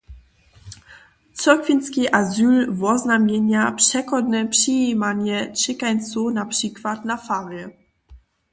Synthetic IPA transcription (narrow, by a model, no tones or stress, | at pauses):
t͡sɔkvʲinskʲiʔazʲylvɔznamʲjɛɲapʂɛkɔd̪nɛpʂimaɲɛt͡ʂɛkaj̪sunapʂikvat̪nafavjɛ